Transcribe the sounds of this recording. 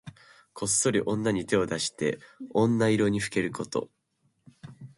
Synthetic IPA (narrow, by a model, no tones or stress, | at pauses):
kʰo̞sːo̞ɾʲiʔõ̞nːaɲ̟it̪e̞o̞d̪aɕi̥t̪e̞̰õ̞nːaiɾo̞ɲ̟iɸɯ̟̥ke̞ɾɯ̟kʰo̞t̪o̞̰